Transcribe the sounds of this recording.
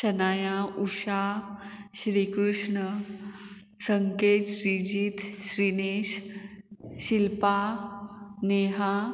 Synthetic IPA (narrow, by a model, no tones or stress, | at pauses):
ʃɐnaːjauʃa | ɕɾiːkɾuʂɳə | səŋketɕɾiːd͡ʒiːt̪ɕɾiːneːʃ | ɕilpa | neːɦa